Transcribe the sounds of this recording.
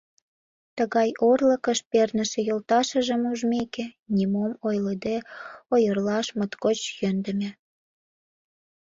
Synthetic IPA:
t̪əɣɑjorləkəʃpernəʃĕjolt̪ɑʃəʒə̆muʒmekenʲimomojləd̪eojərlɑʃmət̪kot͡ɕjønd̪ə̆mʲe

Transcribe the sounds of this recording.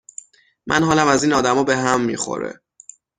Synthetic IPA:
mʔæ̰nɦɒːlæmæziːnɒːd̪æmɒːbe̞ɦæmːḭxo̞̰ɾḛ

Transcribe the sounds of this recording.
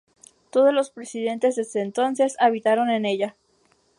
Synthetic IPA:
t̪o̞ð̞o̞zlo̞spɾe̞siðe̞nt̪e̞zðezd̪eːnt̪o̞nse̞saβit̪aɾo̞ne̞ne̞ʝa

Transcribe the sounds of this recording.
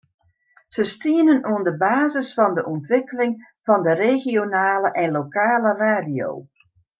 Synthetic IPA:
z̥əstiənənuəndəbaːzəsfɑndəʔɔntʋɪkəlɪŋ | v̥ɑndəreɣionaːləʔɛnlokaːləraːdio̰ː

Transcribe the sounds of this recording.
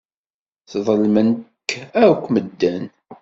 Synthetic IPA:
θðˤəlmənəkːæɾkʷːməd̪ːæn

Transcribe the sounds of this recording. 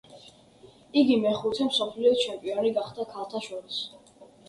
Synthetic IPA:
iɡimɛχut̪ʰɛmsɔpʰliɔt͡ʃʰɛmpʼiɔniɡaχd̪̥akʰalˠt̪ʰaʃɔɾis

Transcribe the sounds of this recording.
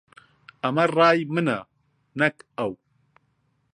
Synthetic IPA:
ɐmɐrɑːjmɨnɐ̰ | nɛkɐw

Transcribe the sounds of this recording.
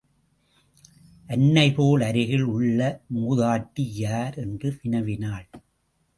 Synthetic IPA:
ʔɐnːɐɪpoːlɐɾɪɣɐɭʊɭːɐmuːðaːʈːijaːɾɛndrɯʋɪnɐʋɪnaːɭ

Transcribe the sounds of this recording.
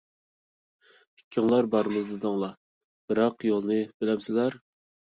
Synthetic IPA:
pʰɪ̥kʲʰːɪŋlˠɑɾbɑɾɨmɨzd̪ɨd̪ɑŋlˠɑ | b̥ɨɾɑqjolˠnɨb̥ɪlɛmsɪlæɾ

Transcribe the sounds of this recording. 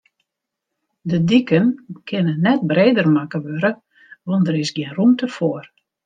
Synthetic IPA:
dədikənkʰɪnənːɛt̚breːdərmakəʋøɾə | ʋɔndəɾɪsɡjɪnrumtəfoər

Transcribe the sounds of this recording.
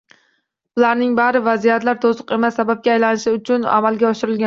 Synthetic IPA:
bʊlaɾnɪŋbaɾɪvazijat̪laɾt̪ʰosʊqe̞masːabap̚ɡʲaːjlanɪʃɪʊt͡ʃʰʊna̰malɡʲaɒʃɪɾɪlɡʲa

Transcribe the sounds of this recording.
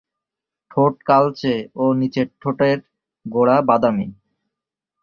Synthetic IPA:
ʈʰoʈ̚kalt͡ɕeonit͡ɕeʈʰːoʈeɾ | ɡoɽabad̪ami

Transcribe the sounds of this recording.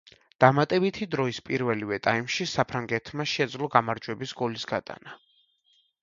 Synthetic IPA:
d̪̥amat̪ʼɛbit̪ʰid̪ɾɔispʼiɾvɛlivɛt̪ʼaimʃisapʰɾaŋɡɛt̪ʰmaʃɛd̪zlˠɔɡamaɾd͡ʒwɛbisɡɔlisɡat̪ʼa̰na

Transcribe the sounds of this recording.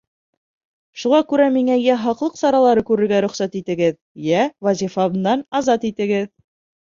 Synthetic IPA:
ʃuʁɑkʉɾæmiŋæjæɦɑqlˠɤqsɑɾɑlˠɑɾɤkʉɾɘ̆ɾɡæɾɵ̆χsæt̪it̪ɘ̆ɡɘð | jævɑzʲifɑβnd̪ɑnɑzɑt̪it̪ɘ̆ɡɘð

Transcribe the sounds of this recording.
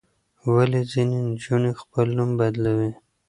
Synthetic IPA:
walezinend͡ʒuɳexpəlnumbad̪lawi

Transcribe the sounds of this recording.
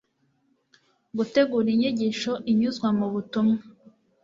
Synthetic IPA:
ɡute̞ɡuːɾiɲiɟiːʃoʔiɲuzɡwamuβutumŋa

